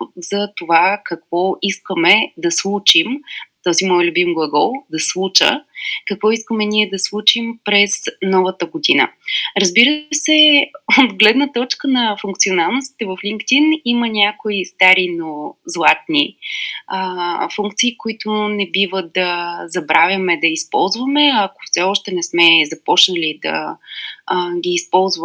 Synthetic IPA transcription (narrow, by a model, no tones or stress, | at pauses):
z̥ɐt̪ovakɐkv̥ɔiskəmɛd̪ɐslˠut͡ʃimt̪ɔzimɔjlʲubimɡuɡəlˠd̪ɐslˠut͡ʃə̰kəkvɔiskəmɛnʲiɛd̪ɐslˠut͡ʃimpɾɛznɔvət̪əɡod̪inə̰ɾɐzbiɾəsɛot̪ɡlɛd̪nət̪ɔt͡ʃkənɐfuŋk̚t̪sionalˠnost̪i̥t̪ɛvəfliŋkt̪inimənʲakoist̪aɾinozlˠat̪̚ni | əfuŋkt̪siːkoit̪ʊnɛbivəd̪ɐzɐbɾavʲjɐmɛd̪ɐispɔ̰lˠzvɐmɛɐko̥fsɛɔʃt̪ɛnɛsmɛzɐpɔt͡ʃnəlid̪ɐ̰ | ɡʲiːspɔlˠzv